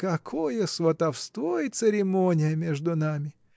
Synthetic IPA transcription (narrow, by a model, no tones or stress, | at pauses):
kɐkʰojəsvɐt̪ɐfst̪vojɪt̪sɨɾʲɪmonʲɪjəmʲeʐd̪ʊnamʲɪ